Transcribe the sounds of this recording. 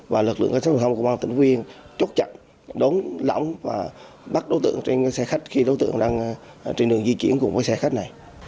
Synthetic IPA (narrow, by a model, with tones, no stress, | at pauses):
vaː˨˩lɨ˨˩k̚lɨ̰˧˨əŋkaː˦˥st̪ʰŋ͡mku˧˩˦ɓaː˧t̪ï˧˩ŋvi˧ənt͡ɕo˦˥t̚t͡ɕə̰˧˨n | ɗo˨˦nlɔ̰˧˩wŋ͡mvaː˨˩ | ɓa˦˥t̚ɗo˨˦t̪ɨ̰˧˨əŋt͡ɕe˧n˦sɛ˧xa˦˥jk̟̚xi˧ɗo˨˦jt̪ɨ̰˧˨əŋɗaː˧ŋ | t͡ɕe˧nɗɨ˨˩əŋzi˧t͡ɕḭ˧˩ənkʊ̰˧˥ŋ͡mvəː˨˦jsɛ˧xa˦˥k̟̚na˨˩j